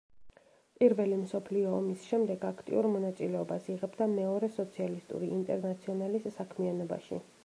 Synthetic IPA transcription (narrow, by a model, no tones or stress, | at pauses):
pʼiɾvɛlimsɔpʰliɔːmisʃɛmd̪ɛɡakʰt̪ʼḭuɾmɔnat̪sʼilɛɔbasiʁɛbd̪amɛɔɾɛsɔt̪sʰialist̪ʼṵɾiːnt̪ʼɛɾnat̪sʰiɔnalisːakʰmianɔba̰ʃḭ